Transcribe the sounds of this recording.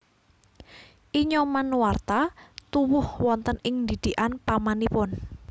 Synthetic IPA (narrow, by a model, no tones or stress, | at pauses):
ʔiɲɔmanwart̪at̪uwʊhwɔnt̪ənɪŋnd̪id̪̥iʔanpamanipʊn